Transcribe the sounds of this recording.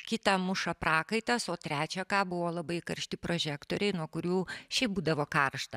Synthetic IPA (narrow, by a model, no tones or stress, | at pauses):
kʲɪt̪ɑmʊʃɐpɾɑːkɐɪt̪ɐsoːt̪ʲɾʲæːt͡ʃʲɛkɑːbʊʋoːlˠɐbɐɪkɐɾʲʃʲt̪ʲɪpɾoːʒʲæːkt̪oːɾʲɛɪnuɔkʊɾʲuːʃʲɛɪp̚buːd̪ɐʋoːkɐrʃt̪ɐ